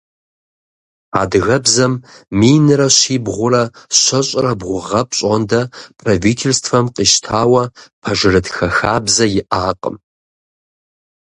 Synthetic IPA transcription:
a̰ːdɨɣɐbzɐmːiːjnɨrɐɕiːbʁʷʊrɐɕʷɐɕʼrɐbʁʷʊʁɐp̚ʰɕʼɐndɐpʰraviːtʰelstʰfɐmqʼiʃtʰaːwɐpʰɐʐɨrɨtxɐxaːbzɐjɪʔaːqʼə̰m

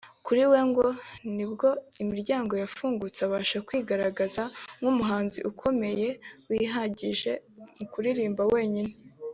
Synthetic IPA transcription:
kuɾiwe̞ŋɡo̞nibɡo̞imiɾɟaːŋɡo̞jafuːŋɡut͡saβaːʃakwiːɡaɾaɡazaŋumuɦaːnziʔukʰo̞me̞je̞wiːɦaɟiʒe̞mukuɾiɾiːmbawe̞ːɲine

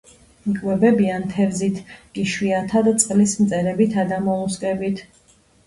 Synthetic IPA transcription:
ikʼwɛbɛbiant̪ʰɛvzit̪ʰɡ̥iʃwiat̪ʰad̪t̪sʼqʼlismt̪sʼɛɾɛbit̪ʰad̪amɔuskʼɛbit̪ʰ

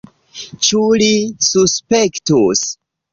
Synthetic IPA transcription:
t͡ʃulisuspektus

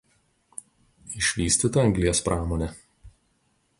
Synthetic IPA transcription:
ɪʃʲʋʲiːsʲt̪ʲit̪ɐɐŋʲɡlʲiɛspɾʔɑːmɔːnʲɛ

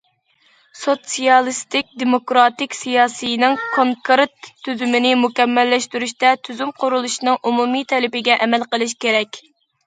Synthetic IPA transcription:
sot̪sijɑlˠɨst̪ɪk̚ʲd̪emokɾɑt̪ɪkʲsijɑːsɨjnɪŋkʰoŋkɾt̪ʰːyzymɪnɪmukʲɛmːɛlːɛʃt̪yɾyʃt̪ɛt̪ʰyzymqʰʊɾulˠuʃinɨŋʔumumit̪ʰɛlɪpɪɡʲɛʔɛmɛlqəlˠɨʃ̬kʲeɾɛkʲ

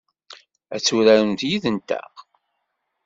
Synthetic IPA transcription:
æ̰t͡sːuɾæɾənt̪jiðənt̪æ̰ʁ

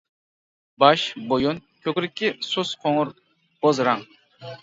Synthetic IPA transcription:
bɑʃbojonkʲʰøkʲɾɪkʲːɪsusqʰoŋʊɾ | b̥ozɾɑŋ

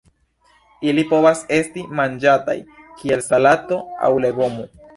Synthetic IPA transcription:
ilipo̞βase̞stimand͡ʒata̰j | kʰielsalat̪o̞a̰wle̞ɡo̞mo

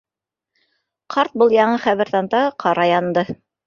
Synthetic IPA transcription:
qʰɑɾt̪̚bɤlˠjɑɴɤχæβɘ̆ɾθɑnt̪ɑqʰɑɾɑjɑnd̪ɤ

